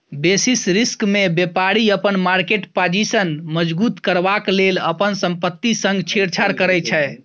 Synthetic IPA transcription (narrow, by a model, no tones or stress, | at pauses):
besisɾiskmebepaɾiəpənmaɾkeʈpad͡ʒisənməd͡ʒbut̪kəɾbakleləpənsəmpət̪ːisə̃ŋɡt͡ʃʰeɾt͡ʃʰaɾkəɾɛt͡ʃʰɛ